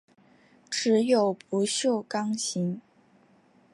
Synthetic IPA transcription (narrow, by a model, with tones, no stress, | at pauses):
ʈ͡ʂɻ̩˧˥jo˨˩ʊpu˧˥ɕjo˥˩ʊkɑ˥ŋɕi˧˥ŋ